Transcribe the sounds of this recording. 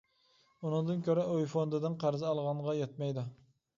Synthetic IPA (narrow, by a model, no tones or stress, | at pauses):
unɨŋd̪ɨnkʲʰøɾɛojfond̪ɨd̪ɨnqʰæɾzɨɑlˠʁɑɴʁɑjɛt̪̚mɛjd̪u